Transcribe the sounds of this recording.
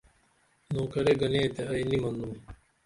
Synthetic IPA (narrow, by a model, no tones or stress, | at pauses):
nõːkɐɾeɡɐneːt̪eɐinimɐnd̪um